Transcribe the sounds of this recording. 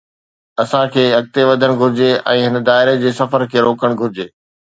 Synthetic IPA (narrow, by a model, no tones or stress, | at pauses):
ɐsãkʰeːɐk̚t̪eʋɐd̪ʱəɽ̃ɡʱʊɾɪd͡ʑeɛ̃ːɦɪnə̆d̪aːɪɾed͡ʑeːsɐfəɾkʰeːɾoːkəɽ̃ɡʱʊɾɪd͡ʑeː